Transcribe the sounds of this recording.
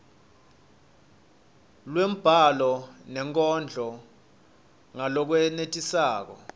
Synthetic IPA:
lwem̩b̥ʱalɔnɛŋkʼɔnd͡ɮʱɔ | ŋalɔk̬wɛnetʼisaːk̬ɔ̰

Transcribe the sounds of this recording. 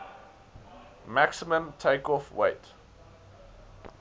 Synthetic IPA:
maksimə̃mtʰeɪkɔfweɪt

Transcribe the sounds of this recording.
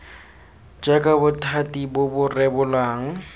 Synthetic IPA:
d͡ʒʼakʼabʊtʰatʼibʊbʊrɛbʊlaːŋ̩

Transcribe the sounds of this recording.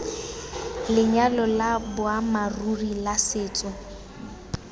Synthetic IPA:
lɪɲalɔlabʊamarurilasɪːt͡sʼɔ

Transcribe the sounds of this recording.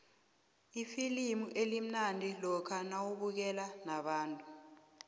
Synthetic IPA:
ifilimuʔelim̩nantʼilɔkʰanawuɓuk̬ɛlanaɓaːntʼu

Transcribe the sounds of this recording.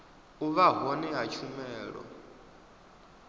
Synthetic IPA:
uβaɦɔniɦat͡ʃʰumɛːɺɔ̰

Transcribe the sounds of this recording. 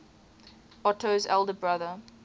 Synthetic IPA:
ɔtʰozɛ̰lˠdəbɹaðə

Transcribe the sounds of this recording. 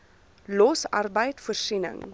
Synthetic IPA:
lɔsɐ̰rbəjtfuərsinə̰ŋ

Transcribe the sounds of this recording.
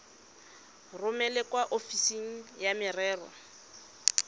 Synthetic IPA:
rʊmɛlɛkwaʔofisiŋ̩jamɪrɛːrɔ̰

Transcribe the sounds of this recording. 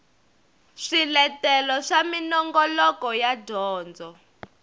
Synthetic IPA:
ʂilɛtɛlɔʂaminɔŋɡɔlɔkɔjadʱɔːnd͡zɔ

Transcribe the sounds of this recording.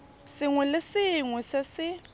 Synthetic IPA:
sɪŋwɛlɪsɪːŋwɛsɪsɪ

